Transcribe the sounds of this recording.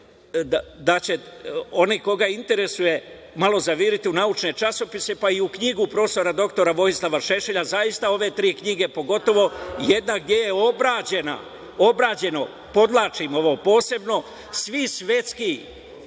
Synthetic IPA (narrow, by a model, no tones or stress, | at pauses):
d̪at͡ɕe̞o̞niko̞ɡaint̪e̞ɾe̞suje̞ | malo̞zaʋiɾit̪iunaut͡ʃne̞t͡ʃaso̞pise̞paiukɲiɡupɾo̞ːst̪o̞ɾad̪o̞kt̪o̞ɾaʋo̞islˠaʋaʃe̞ʃeʎazajist̪ao̞ʋe̞t̪ɾiːkɲiɡe̞po̞ɡo̞t̪o̞ʋo̞jed̪naɡ̚d̪je̞je̞o̞bɾaːd͡ʑe̞na̰ | o̞bɾaːd͡ʑe̞no̞ | po̞d̪lˠaːt͡ʃimo̞ʋo̞ːpo̞ːse̞bno̞ | sʋisʋe̞t̪ski